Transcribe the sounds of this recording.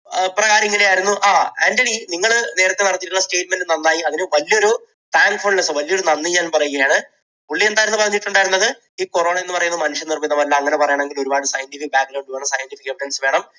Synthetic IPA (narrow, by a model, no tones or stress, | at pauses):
prɐɣaːɾɐŋːilejaːjiɾunːuʔaːaːndeɽiniŋːɐɭne̞ːɾɐt̪ːe̞nɐɽɐt̪ːiʈːunːɐste̞ːʈ̚menɖunɐnːaːjiɐðinɨʋɐljɐo̞ɾu | t̪aːŋɡfoɭlesɨʋɐlijoɾunɐnːiɲaːnumpɐrɐjuɣɐjaːɳɨ | uɭːie̞nd̪aːjiɾɐnːɨpɐrɐɲːiʈːuɳɖaːiɾunːɐðɨ | iːko̞ro̞ːɳɐe̞nːɨpɐrɐjunːɨmɐnuʂjɐnirminːɐmɐlːaɐŋːɐnepɐrɐjaɳɐme̞ŋɡilo̞ɾubaːɽɨsɐjɐnʈifik̚bjaːkːɾɐwuɳɖɨʋeːɳɐmsɐjɐnʈifikːɐepːiʈɐnsʋe̞ːɳɐm